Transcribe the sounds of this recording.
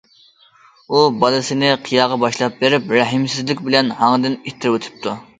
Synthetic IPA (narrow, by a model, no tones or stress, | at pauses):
ubɑlˠɨsɨnɪqʰijɑːʁɑbɑʃlˠɑp̚beɾɪpɾæɦɪmsɪzlɪkʲbɪlɛnhɑŋd̪ɪnit̪ʰːɪɾwot̪ʰɪ̥p̚t̪ʰu